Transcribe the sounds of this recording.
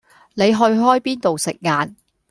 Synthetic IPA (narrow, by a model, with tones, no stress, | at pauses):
ne˨˧jɦɵ˧ɥɦɔː˥jpiː˥nt̪o˨wsɪ˨k̚ŋaː˨˧n